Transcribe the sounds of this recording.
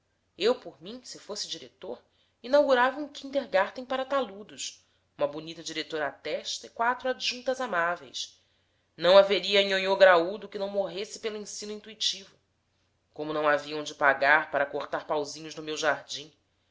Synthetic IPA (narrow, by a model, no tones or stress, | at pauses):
ewpoɾmĩsɪfosɪd͡ʒiɾet̪oɾ | inawɡuɾavɐũkĩnt̪eɾɡaɾt̪ẽj̃paɾɐt̪alud̪ʊs | ũmɐbunit̪ɐd͡ʒiɾet̪oɾɐːt̪ɛʃt̪ɐikwat̪ɾuad͡ʒʒũnt̪ɐzamavḛjs | nɐ̃w̃aveɾiɐĩɲoɲoɡɾaud̪ʊkɪnɐ̃w̃moɦesɪ̥pelʊĩsĩnʊĩnt̪uit͡ʃivʊ | kõmʊnɐ̃w̃aviɐ̃w̃d͡ʒɪpaɡaɾpaɾɐkoχt̪aɾpawzĩɲʊznʊmewʒaɾd͡ʒĩ